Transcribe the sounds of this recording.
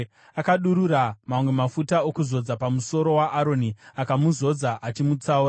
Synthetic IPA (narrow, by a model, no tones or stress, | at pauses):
akaɗuɾuramamwe̞mafutaokuzo̞d͡zapamuso̞ɾo̞waʔaɾo̞niakamuzo̞d͡zaʔat͡ʃimut͡sauːɾa